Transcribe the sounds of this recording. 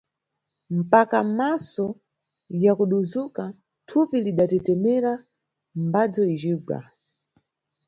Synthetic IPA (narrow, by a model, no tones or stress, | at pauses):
m̩pakamasɔ | jakuɗuzuka | tʰupiliɗatɛtɛmɛɾa | m̩bad͡zɔid͡ʒiɡa̰